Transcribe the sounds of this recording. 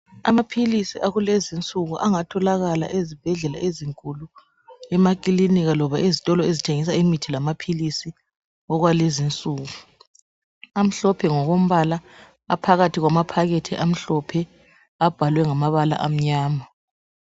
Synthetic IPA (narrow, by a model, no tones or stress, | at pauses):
a̰mapʰilisiʔaɣulezint͡sʼuɣuʔaŋatʰɔlaɣala̰ʔezib̥ʱɛɮɛla̰ʔeziŋkʼulu | ɛmakʼiliniɣalɔβaʔezitʼɔlɔezitʰeŋis̬aimitʰilamapʰilisi | ɔɣwalezint͡sʼuːɣu | am̩ɬɔpʰɛŋɔɣom̩βala | a̰pʰaɣatʰiɣwamapʰaɣetʰiʔam̩ɬɔpʰɛ | ab̥ʱalwɛŋamaβala̰ʔam̩ɲaːma